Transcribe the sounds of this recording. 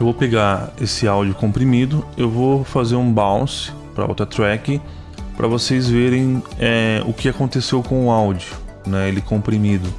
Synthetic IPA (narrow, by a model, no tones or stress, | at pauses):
ewvopeɡaesɪawd͡ʒʊkõmpɾimid̪ʊewvofazeɾũbaw̃sɪ̥ | pɾɐ̰o̰t̪ɾɐt̪ɾɛkɪ | pɾʔɐ̰vosejzveɾẽj̃ɛʊkɪakõnt̪esewkõʊawd͡ʒjʊnɛelɪkõmpɾimid̪ʊ